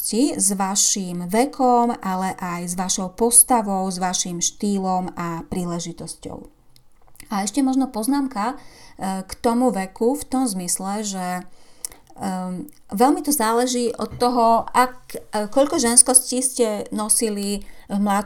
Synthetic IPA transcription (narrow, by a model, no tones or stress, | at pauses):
cizʋaʃiːmʋɛkʰɔmʔalɛʔajzʋaʃɔʊpɔst̪aʋɔʊzʋaʃimʃt̪iːlɔmapɾiːlɛʒit̪ɔscɔ̰ʊ | aɛʃcɛmɔʒnɔpɔznaːmka | kt̪ɔmuʋɛkuft̪ɔmzmislɛʒɛ | ʋɛlmit̪ɔzaːlɛʒiːʔɔ̰t̪ːɔɦɔakkɔʎkɔʒɛnskɔsciːscɛnɔsilivmla